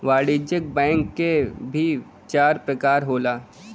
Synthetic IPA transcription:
ʋaːɽid͡ʒək̚bɛ̃ːŋkːebʱi | t͡ʃaːɾpɾɐkaːɾɦoːlaː

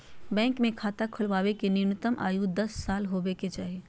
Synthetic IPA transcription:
bɛ̃ːŋkmẽkʰaːt̪akʰʊlʋaːʋekenɪɾnət̪əmʔa̰ːjud̪ɐsːaːlɦoːbeket͡ʃaːɦieː

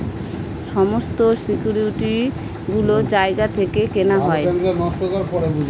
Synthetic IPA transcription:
ʃɔmost̪osikjuɾiʈi | ɡulod͡ʑaeɡat̪ʰekekenaɦɔeɛŋanɔst̪okaɾpɔɾebud͡ʒ

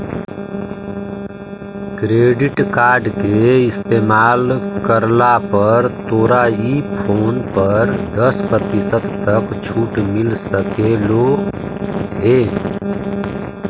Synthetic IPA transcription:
kɾeːɖɪʈkaːɾɖkeɪst̪eːmaːlkəɾlapəɾt̪oːɾaipʰoːnpəɾd̪əspɾət̪isət̪ːəkt͡ʃʰuːʈmilsəkelo | ɦe

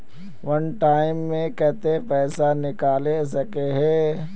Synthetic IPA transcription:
ʋɐnʈaːɪmːẽkɛɦt̪epɛːsanɪkaːlesɐkeɦɛː

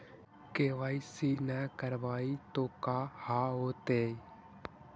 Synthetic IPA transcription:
keʋaːisinɛkəɾʋaːit̪oːkaːhaːoːt̪eːi

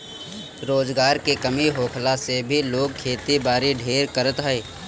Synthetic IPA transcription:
ɾoːzɡaːɾkekəmiɦoːkʰlasebʱiloːɡ̚kʰːeːt̪ibaːɾiɖʱeːɾkəɾət̪ɦɛeː

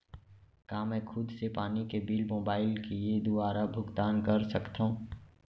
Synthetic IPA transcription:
kaːmɛ̃ːkʰʊd̪sepaːnikebɪlmoːbaːɪlkeed̪ʊaːɾabʱʊɡt̪aːnkəɾsəkt̪ãː

